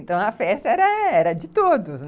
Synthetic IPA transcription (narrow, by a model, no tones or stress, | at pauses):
nt̪ɐ̃w̃ɐfɛst̪ɐɛɾɐɛɾɐd͡ʒɪt̪od̪ʊsn